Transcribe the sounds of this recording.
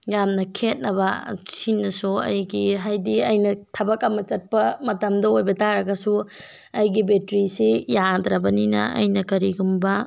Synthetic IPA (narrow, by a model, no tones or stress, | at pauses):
jamnɐkʰet̚nɐbɐsinːɐsuɐ̰jɡiɦajdiɐjnɐtʰɐbɐkɐmɐt͡ʃɐt̚pɐmɐtɐmdɐojbɐtaɾɐɡɐsu | ɐjɡibetɾisejad̪ɾɐbɐninɐ̰ɐ̰jnɐkɐɾiɡumbɐ